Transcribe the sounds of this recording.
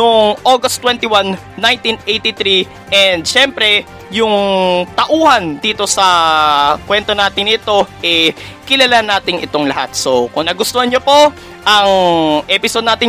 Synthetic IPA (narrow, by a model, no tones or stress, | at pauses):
nʊŋʔoɡɐst̪ːwɛnt̪ɪwanː | ajnt̪inejt̪ɪt̪ɾi | ʔɛnd̪̚ʃɛmpɾɛ | jʊŋt̪ɐʔuːhɐnd̪iːt̪o̞sɐ | kwɛnt̪o̞naːt̪ɪŋɪt̪o̞ʔɛ | kɪlɐlanaːt̪ɪŋɪ̰t̪o̞ŋlɐha̰t̪̚sokʊŋnɐɡʊst̪ohɐɲopo̞ | ʔɐŋʔɛpɪsod̪̚naːt̪ɪŋ